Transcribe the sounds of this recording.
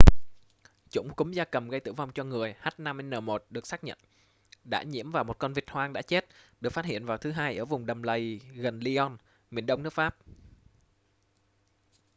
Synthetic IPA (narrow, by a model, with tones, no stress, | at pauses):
t͡ɕʊ̰˧˥ŋ͡mkʊ˨˦ŋ͡mzaː˧kə˨˩mɣə˧jt̪ɨ̰˧˩wva˧wŋ͡mt͡ɕɔ˧ŋɨ˨˩əjhaː˦˥t̚na˧me˧nəː˨˩mo˨˩t̚ɗɨ˨˩ək̚saː˦˥k̚ɲə̰˧˨n | ɗa̰ː˧˥ɲḭ˧˥əmvaː˨˩wmo˨˩t̚kɔ˧nvi˨˩ət̚hwaː˧ŋɗa̰ː˧˥t͡ɕe˦˥t̚ɗɨ˨˩kfa˦˥t̚hḭ˧˨ənvaː˨˩wt̪ʰɨ˨˦ɦaː˧jʔəː˧˩vʊ˨˩ŋ͡mɗə˨˩mlə˧˩jɣə˨˩nli˧ʔɔ˧n | mi˨˩ənɗə˧wŋ͡mnɨ˦˥ək̚faː˦˥p̚